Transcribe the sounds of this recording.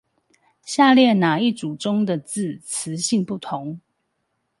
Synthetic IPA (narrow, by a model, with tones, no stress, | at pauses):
ɕja˥˧ljɛ˥˩na˨˩i˥˨ʈ͡ʂu˨˩ʈ͡ʂʊ˦ŋd̪ə˨t͡sɹ̩˥˩t͡s̩ʰ˧˦ɕi˥˧ŋpu˥˩t̪ʰʊ˨˦ŋ